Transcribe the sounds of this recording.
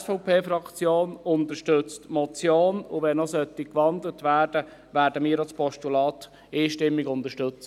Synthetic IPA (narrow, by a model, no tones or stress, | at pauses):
sfɔʊpʰeːfɾɑkt͡sjoːnʊnt̪əʃtʏt͡stmɔt͡sjoːnʊʋɛnɔsœtːɪkʋɑndlətʋæːrd̥ə | ʋæːɾdəmiːəɾɑlspʰɔʃtulɑːt | iːʃtɪmːɪɡʊnt̪əʃtɵt͡sə